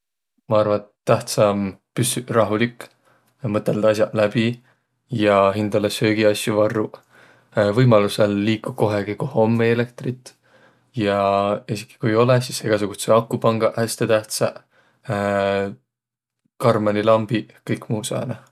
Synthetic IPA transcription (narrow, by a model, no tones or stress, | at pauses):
mɑɑrvɑnt̪t̪ːæht̪sɑmpysyrɑɦulikː | mɤt̪ːˑeld̪̥ɑsjɑʔlæb̥i | jɑɦind̪̥ɑlesø̞ːɡ̥iɑsjuvɑrːu | vɤjmɑluselːiːkːuko̞ɦeɡ̥ikoho̞mːeele̞k̚t̪rit̪ˑː | jɑesi̥kːi̥kujo̞lesiseɡ̥ɑsuɡ̥ut̪seɑkːupɑŋɡ̥ɑhæsʲt̪e̞t̪æht̪sɑ | kɑrmɑnilɑmb̥ikɤjkmuːsɑ̰ːnɑ